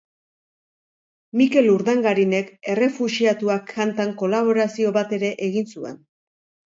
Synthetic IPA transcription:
mike̞luɾðaŋɡaɾine̞ke̞re̞fuʃiat̪uakʰːant̪aŋko̞laβ̞o̞ɾasio̞βat̪e̞ɾe̞ʔeɣinsue̞n

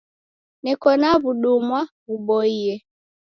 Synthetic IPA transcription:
nɛkɔnaβuɗumwa | uɓɔiɛ

